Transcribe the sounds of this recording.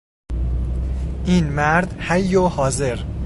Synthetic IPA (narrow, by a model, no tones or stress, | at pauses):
ʔiːnmæɾd̪hæjːohɒːze̞ɾ